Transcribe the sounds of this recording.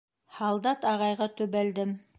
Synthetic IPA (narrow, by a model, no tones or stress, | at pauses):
hɑlˠd̪ɑt̪ɑʁɑjʁɑt̪ɵ̆βæld̪ɘm